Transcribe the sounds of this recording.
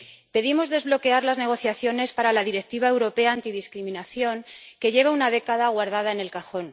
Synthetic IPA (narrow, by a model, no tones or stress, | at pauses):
pe̞ðimo̞zðe̞zβlo̞ke̞aɾlazne̞ɣ̞o̞θjaθjo̞ne̞spaɾalaðiɾe̞k̚t̪iβ̞ae̞wɾo̞pe̞aːnt̪iðiskɾimĩnaθjo̞ŋke̞ʝe̞βaunaðe̞kaðaɣwaɾðað̞aene̞lkaxo̞n